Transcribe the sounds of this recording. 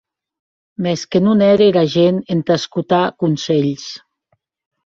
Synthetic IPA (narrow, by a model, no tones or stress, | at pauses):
mɛskenunɛɾeɾaʒenent̪askut̪akunseʎs